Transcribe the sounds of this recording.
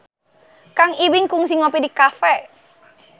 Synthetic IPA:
kaŋiwɪŋkuŋsiŋɔpidikafɛ

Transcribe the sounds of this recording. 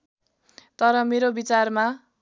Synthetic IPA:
t̪ʌɾʌmeɾobit͡sarma

